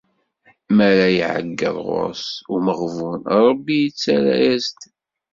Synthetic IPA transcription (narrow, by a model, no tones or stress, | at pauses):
mæɾajiʕə̰ɡːə̰ðˤʁo̰ɾsʊməʁvunɾˤəbːijət͡sːaɾa̰jæst̪